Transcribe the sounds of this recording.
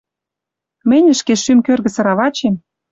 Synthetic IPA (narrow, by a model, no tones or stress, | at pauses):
mɘ̆nʲə̆ʃkeʃymkørɣə̆sɤ̆ɾɑβɑt͡ɕem